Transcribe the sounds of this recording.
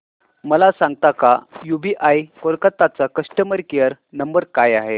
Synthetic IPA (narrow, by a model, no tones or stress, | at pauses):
məlasãŋɡ̚t̪akajubiʔajkoɾkat̪at͡sakəʂʈəməɾkejəɾ | nəmbəɾkajaɦe